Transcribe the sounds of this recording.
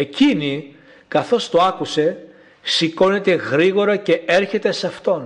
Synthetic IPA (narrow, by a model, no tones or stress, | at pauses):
e̞cini | kɐθo̞st̪o̞ɐkuse̞ | siko̞net̪e̞ɣɾiɣo̞ɾɐce̞e̞ɾçe̞t̪e̞sɐft̪o̞n